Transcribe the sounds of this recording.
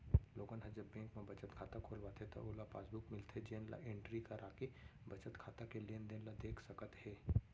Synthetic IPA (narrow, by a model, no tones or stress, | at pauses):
loːɡənɦəd͡ʒəbːẽŋkmẽbət͡ʃət̪kʰaːt̪akʰolʋat̪ʰet̪ə̰ʔolapa̰ːsbukmɪlt̪ʰed͡ʒenla̰ʔẽɳʈɾikaɾʔaːkebət͡ʃət̪kʰaːt̪akelend̪enlad̪eːkʰsəkət̪he